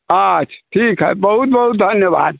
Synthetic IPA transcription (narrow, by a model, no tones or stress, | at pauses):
əʃʰʈʰiːkɦɛ̰bəɦut̪̚bəɦut̪̚d̪ʱɐnjəba̰ːd̪̚